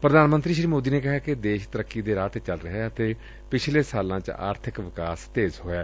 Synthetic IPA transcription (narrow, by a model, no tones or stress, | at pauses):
pɾəd̪aːnmənt̪ɾiːʃɾiːmoːd̪iːneːkɪɦaːkɪd̪eːʃt̪əɾəkːiːd̪eːɾaːʈ̪ːt͡ʃəlɾəɦeːət̪eː | pɪt͡ʃʰleːsaːlãːt͡ʃa̰ːɾt̪ʰɪkʋɪkaːst̪eːzɦoːjaː